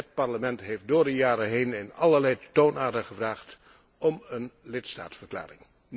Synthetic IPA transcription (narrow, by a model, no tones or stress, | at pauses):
ət̚pɑɹləmɛntɦejf̚dʊːɹdəjaːɾəɦejnɪnɑ̰lˠəɹlɛjtownaːɹdəχəvraːχt | ɔmənlɪtsta̰ːtsfəɹkla̰ːrɪ̰ŋ